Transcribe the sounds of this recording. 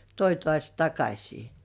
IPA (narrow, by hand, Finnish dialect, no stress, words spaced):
toi tŏɑˑsʲ tɑkɑsʲiː